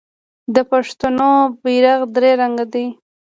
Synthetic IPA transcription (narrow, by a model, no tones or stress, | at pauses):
d̪əpaʂt̪onobiɾaɣd̪ɾeɾaŋɡad̪i